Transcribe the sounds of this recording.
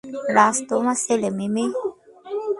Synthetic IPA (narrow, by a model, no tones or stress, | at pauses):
laːst̪omaselemimi